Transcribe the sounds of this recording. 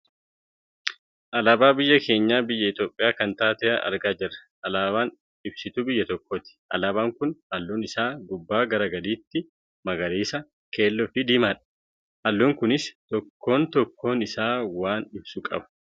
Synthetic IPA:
ʔɐlaːbaːbɪjːɐkʰe̞ːɲːaːbɪjːɐɪt̪o̞ːpʼːɪjaːkɐnt̪aːt̪ɛʔɐʔɐ̰ɾɡaːd͡ʒɐrːɐ | ʔɐlaːbaːn | ɪbsɪt̪uːbɪjːɐt̪ɔkːoːt̪ɪ̥ʔɐ̰laːbaːŋkʊnʔɐlːoːnɪsaːɡʊbːaːɡɐɾɐɡɐd̪iːt̪ːɪ | mɐɡɐɾiːsɐ | kʰe̞ːlːɔfɪd̪iːmaːᶑɐ̥ | ʔɐlːoːŋkʊnɪst̪ɔkːo̞ːnt̪ɔkːo̞ːnɪsaːwaːnɪbsukʼɐ̰bɐ̥

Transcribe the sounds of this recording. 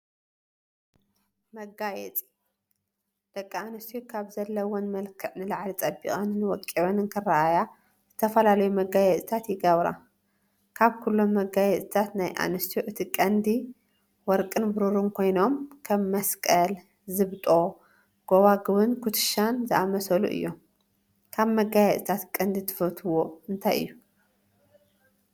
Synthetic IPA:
mɐɡajɛ̰t͡s̪ʼi̥ | d̪̥ɐkʼːɐanɨst̪ʰjokʰaβzɐlːɐwonmɐlkʰɨʕnɨlaʕlit̪ʼɐbːḭkʼɐnɨnwɔkʼːiβɐnɨnkʰɨrːaʔaja | z̥ɨt̪ʰɐfɐlalɐjumɐɡajɛt̪ʼt̪ʰat̪jɪɡɐβɾa̰ | kʰaβkʰulːo̞mːɐɡajɛt̪ʼt̪ʰat̪najʔa̰nɨst̪ʰjuʔɨt̪ʰikʼɐnd̪i | wɔɾkʼɨnbɨɾuɾunkʰo̞jno̞mkʰɐβːɐskʼɐl | zɨβt̪ʼo̞ | ɡ̥oβaɡɨβɨnkʰut̪ʰɨ̥ʃanzɨʔamɐsɐlṵʔɨ̰jːo | kʰaβmɐɡajɛt̪ʼt̪ʰat̪kʼɐnd̪it̪ʰɨ̥fɐt̪ʰɨwoɨnt̪ʰajʔɨ̰jːu

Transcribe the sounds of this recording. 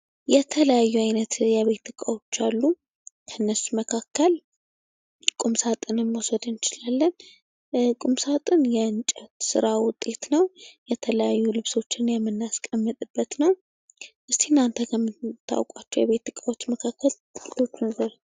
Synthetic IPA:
jɛt̪ʰələjajːuajnət̪jɛβe̞t̪ːɨkʼawo̞t͡ʃːalːu | kʰənːəsuməkʰakːəl | kʼumsat̪ʼɨnɨno̞səd̪ɨnt͡ʃɪlalːən | kʼumsat̪ʼɨnjɛɨnt͡ʃʼɛt̪sɨ̰ɾawʊt̪ʼːe̞t̪nəwjɛt̪ʰələjajːulɨβso̞t͡ʃːɪnjɛmːɨnːaskʼəmːɨt̪ʼɨbːət̪nəw | ʔɨst̪ʰenːant̪ʰəkʰəmːɨt̪ʰːa̰wkʷʼat͡ʃːɛwjɛβe̞t̪ːɨkʼawo̞t͡ʃːməkʰakːəlt̪ʼɨkʼit̪ʰo̞t͡ʃːunzəɾ

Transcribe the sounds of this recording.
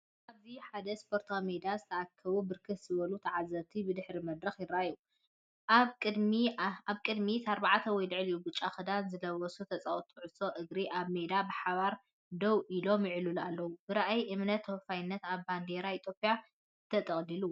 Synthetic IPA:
ʔaβziħad̪ɐspʰo̞ɾt̪ʰamed̪azɨt̪ʰɐakʰːɐβubɨɾkʰɨt̪z̥ɨβɐlut̪ʰɐʕazːɐβt̪ʰibɨd̪ɨħɾimɐd̪ɾɐxjɪɾaju | ʔaβkʼɨd̪miaβkʼɨd̪mit̪ʰaɾbaʕat̪ʰɐwɔjlɨʕɨlijubɨt͡ʃʼːaxɨd̪anzɨlɐwɔsut̪ʰɐt͡sʼawt̪ʰʼuʕɨso̞ʔɨɡɾiʔaβmed̪abɨħaβaɾ | d̪ɐwʔilo̞mjɪʕɨlulalːɐwubɨɾaʔajʔɨmnɐt̪ʰːowfajɪnːɐt̪aβband̪eɾait̪ʰjopʼija | ɨt̪ʰɐt̪ʼɐχʼlilu

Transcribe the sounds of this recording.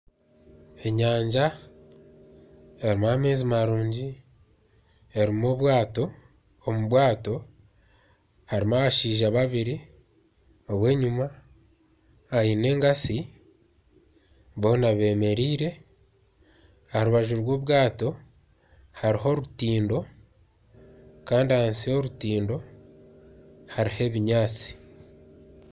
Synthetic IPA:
e̞ɲaːɲd͡ʒa | eɾimuame̞ːzimaɾuːɲɟi | eɾimoβwaːto̞ | omuβwaːto̞ | haɾimaβaʃiːʒaβaβiɾi | o̞βwe̞ːɲuma | jine̞ːŋɡasi | βo̞ːnaβe̞ːme̞ɾiːɾe̞ | ahaɾuβaʒuɾwo̞ːβɡaːto̞ | haɾiɦo̞ɾutiːndo̞ | kaːndiahansio̞ɾutiːndo̞ | haɾihe̞βiɲaːt͡si̥

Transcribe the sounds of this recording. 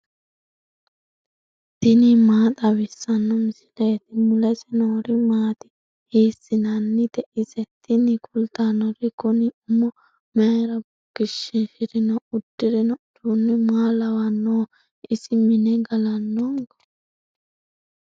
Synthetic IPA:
d̪̥ɪnimaːt̪ʼɐwɪsːɐnːɔmɪsɪ̥leːt̪ɪmʊlɛsɛnoːɾɪmaːt̪ɪ̥ | hiːsːɪnɐnːɪd̪ɛʔɪsɛt̪ːɪnɪkʰʊlt̪anːɔɾɪkʊniʊmɔ | meːɾɐbʊɡ̥ɪʃːɪnʃɪɾɪnɐʊd̪̥ːɪɾɪnɐʊd̪unːɪmaːlɐwɐnːoː | ʔɪsɪmɪnɛɡɐlɐnːɔŋɡɔ̥

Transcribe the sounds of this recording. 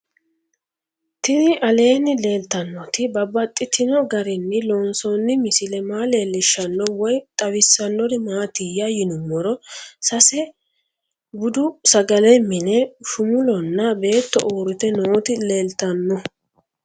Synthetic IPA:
t̪ɪnɪʔɐle̞ːnːɪle̞ːlt̪ɐnːɔt̪ɪbɐbːɐt̪ʼːɪt̪ʰɪnɔɡɐɾɪnːɪloːnsɔnːɪmɪsɪlɛmaːle̞ːlːɪʃːɐnːɔwɔjt̪ʼɐwɪsːɐnːɔd̪ɪmaːt̪ɪjɐjɪnʊmːɔɾɔsɐsɛ | bʊd̪ʊsɐɡɐlɛmːɪnɛʃʊmʊlɔnːɐbe̞ːt̪ːɔ̰ʔoːɾɪt̪ɛnoːt̪ɪle̞ːlt̪ɐnːɔ

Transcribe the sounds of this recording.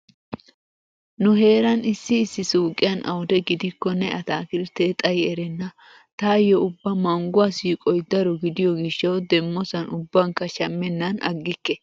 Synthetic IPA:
nʊɦe̞ːɾɐnɪsːɪːsːɪsuːkʼːɪjɐnʔɐ̰wʊd̪ɛɡɪd̪ɪkːɔnɛʔɐt̪aːkɪlt̪eːt̪ʼɐjɛɾɛnːɐ | t̪aːjɔʊbːɐmɐŋɡʊwasiːkʼɔjd̪ɐɾɔɡɪd̪ɪjɔɡɪʃːɐwd̪ɛmːɔsɐnʔʊbːɐŋkɐʃɐmːɛnːɐnɐ̰ɡːɪkːɛ

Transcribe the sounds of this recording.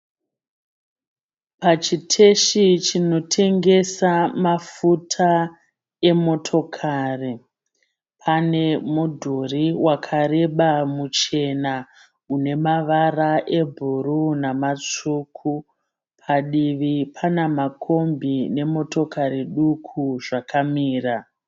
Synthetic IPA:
pat͡ʃitʰe̞ʃit͡ʃino̞tʰe̞ŋɡe̞samafutʰa | e̞mo̞tʰo̞kʰari | pʰane̞mudʱoriwakʰare̞ɓamut͡ʃe̞na | une̞maʋaraʔe̞bʱuɾunamat͡ʂuːkʰu | pʰaɗiʋipʰanamakʰo̞mbine̞mo̞to̞kaɾiɗukʰuʐakʰamiːra

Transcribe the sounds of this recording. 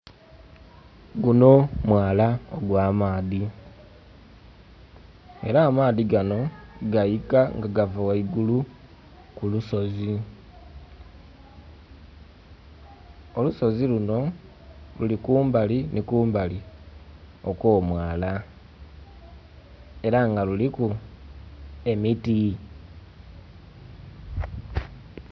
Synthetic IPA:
ɡuno̞mwaːlaoɡwaːmaːði | e̞ɾaːmaːðiɡano̞ɡajikaŋɡaɡavawaiɡulu | kuluso̞zi | oluso̞ziluno̞ | lulikuːmbalinikuːmbali | o̞ko̞ːmwaːla | e̞ɾaŋɡaluliku | e̞miti

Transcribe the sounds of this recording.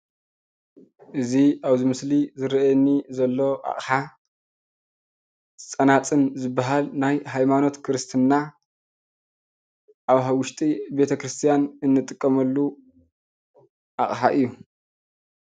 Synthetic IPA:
ʔɨziʔaβzɨmɨslizɨɾɐʔɛnːizɐlːo̞ʔa̰χʼħa | ɨt͡sʼɐnat͡sʼɨnzɨbːaɦalnajɦajmano̞t̪kʰɨɾɨst̪ʰɨnːa | ʔaβɦawʊʃt̪ʼibe̞t̪ʰɐkɾɨst̪ʰijanɨnːɨt̪ʼɨkʼːɐmɐlːu | ʔaχʼħaʔɨjːu

